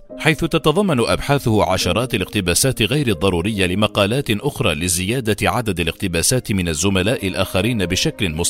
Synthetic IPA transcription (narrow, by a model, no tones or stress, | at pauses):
ħajθʊt̪ɑt̪ɑðˤɑmːɑnʊʔa̰bħaːθʊhʕa̰ʃɑɾˤɑːt̪alɪɣt̪ɪbaːsaːt̪ɪɣajɾɪd̪ˤːɑɾˤuːɾɪjːalɪmɑqɑːlaːt̪ʔʊxɾˤɑːlɪzɪjaːd̪aʕad̪ad̪alɪqt̪ɪbaːsaːt̪ɪmɪnazːʊmalaːʔɪlʔaːxaɾiːnabɪʃaklɪmʊsˤ